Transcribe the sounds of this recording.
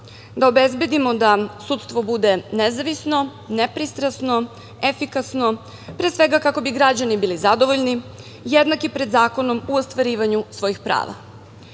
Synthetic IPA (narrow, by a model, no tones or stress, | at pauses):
d̪aobezbje̞d̪imo̞d̪asuːt̪st̪ʋo̞bud̪e̞nezaʋisno̞ | nepɾist̪ɾasno̞ | e̞fikasno̞ | pɾeːsʋe̞ɡakako̞biɡɾad͡ʑanibiːlizad̪o̞ʋo̞ʎni | jed̪nakipɾed̪zaːko̞no̞muost̪ʋaɾiːʋaɲusʋo̞jixpɾa̰ːʋa̰